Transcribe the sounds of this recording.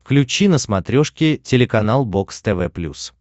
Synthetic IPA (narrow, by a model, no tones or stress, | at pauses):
fklʲʉt͡ɕinəsmɐt̪ɾʲoʂkʲɪtʲɪlʲɪkɐnalˠbokst̪ɛvɛplʲṵs